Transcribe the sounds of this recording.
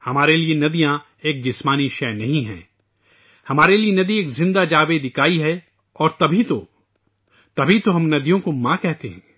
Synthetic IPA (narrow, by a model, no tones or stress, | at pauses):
hɐmaːɾelienɐd̪ijã | eːk̚d͡ʒɪsmaːniʃɛːnɐɦĩɦɛ̰̃ː | hɐmaːɾelienɐd̪ieːkzɪ̃nd̪ad͡ʒaːʋed̪ɪkaːiɦɛ | ɔːɾt̪ɐbʱit̪o | t̪ɐbʱit̪oɦɐmnɐd̪ijõkomãkɛɦt̪eɦɛ̰̃ː